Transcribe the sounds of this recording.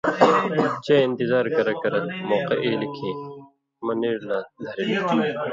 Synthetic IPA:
t͡ɕeːɪ̃nt̪ɪzaːɾkɐɾɐkɐɾɐlmoːqeʔeːlikʰẽː | mɐniːɾnaːd̪ʱɐɾilit̪iː

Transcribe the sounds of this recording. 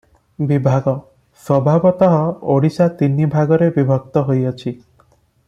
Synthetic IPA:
bibʱaɡɔ | swɔbʱabɔt̪ɔɦɔoɽisat̪inːibʱaɡɔɾebibʱɔk̚t̪ɔɦojɔt͡ʃʰi

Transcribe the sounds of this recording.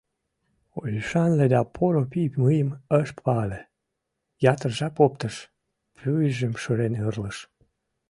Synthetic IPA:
ojyʃɑnled̪ɑpʰoɾopipmɨjəməʃpɑle | jɑt̪ərʒɑpopt̪əʃ | pʰyjʒəmʃəɾenɯrləʃ

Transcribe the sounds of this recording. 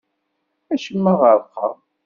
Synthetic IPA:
æʃəmːəʁəɾˤqːɑ̰

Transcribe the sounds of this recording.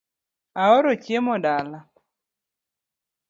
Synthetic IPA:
aɔɾot͡ʃjemɔdala

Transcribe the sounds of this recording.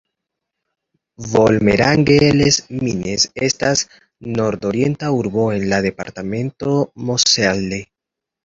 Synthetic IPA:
vo̞lme̞ɾaŋɡelesmine̞se̞stas | no̞ɾdo̞ɾje̞ntauɾbo̞e̞nlade̞pa̰ɾtame̞ntomosalde

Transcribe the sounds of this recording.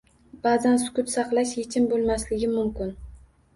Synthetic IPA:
b̥aːzansʊ̥kʲʊt̪sɑqlˠaʃjet͡ʃʰɪmbolˠmaslɪɡʲɪmʊmkʲɪn

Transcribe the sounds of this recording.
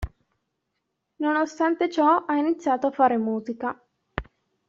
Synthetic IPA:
nonost̪ant̪et͡ʃɔainit̪sːjaːt̪oafaːɾemuːzika

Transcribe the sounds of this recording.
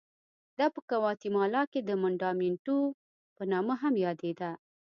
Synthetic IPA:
d̪ɑpəkawɑt̪imɑlɑked̪əmʊɳɖɑminʈu | pənɑməɦamjɑd̪ed̪a

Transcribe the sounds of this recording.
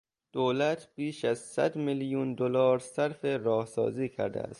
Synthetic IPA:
d̪̥oːlæt̪ʰb̥iːʃæzsæ̰d̪miljund̪olɒːɾsæɾfeɾɒːhsɒ̰ːziːkʰæ̰ɾd̪ḛæ̰st̪

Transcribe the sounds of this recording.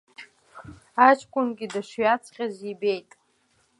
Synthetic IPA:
at͡ʃʰʼkʷʼʊnɡʲidaʂɥat͡sʰχʲazibe̞jtʼ

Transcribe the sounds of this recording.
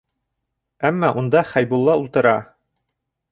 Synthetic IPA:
æmːɑʔund̪ɑχæjbulˠːɑulˠt̪ɤ̆ɾɑ

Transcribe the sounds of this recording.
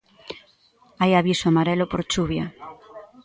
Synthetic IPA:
ajaβisoamaɾɛlopoɾt͡ʃuβjɐ

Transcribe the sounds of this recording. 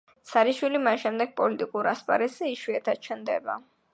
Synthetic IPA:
t̪sʰaɾiʃwilimanʃɛmd̪ɛɡ̚pʼɔlit̪ʼikʼuɾaspʼa̰ɾɛsɛiʃwiɛt̪ʰḁt͡ʃʰɛnd̪ɛ̰ba̰

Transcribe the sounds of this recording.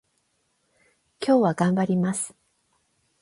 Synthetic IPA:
kʲo̞ːβaɡãmbaɾʲimasɨ̥

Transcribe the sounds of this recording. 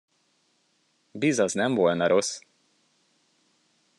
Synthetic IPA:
bizɒznɛɱvo̞lnɒɾo̞s

